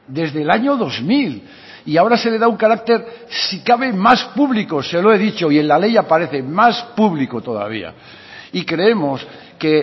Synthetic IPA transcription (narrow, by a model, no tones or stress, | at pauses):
d̪e̞zðelaɲo̞ðo̞zmil | iao̞ɾase̞le̞ðauŋkaɾak̚t̪e̞ɾsikaβe̞maspuβlikose̞loe̞ðit͡ʃo̞ie̞nlale̞japaɾe̞θe̞maspuβlikot̪o̞ða̰β̞ḭa̰ | ikɾe̞e̞mo̞s | ke̞